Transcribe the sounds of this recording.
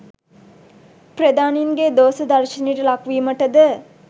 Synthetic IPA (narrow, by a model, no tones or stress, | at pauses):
pɾəd̪aːniŋɡed̪oːsɐd̪aɾʃiniːʈəlakʋiːməʈəd̪ə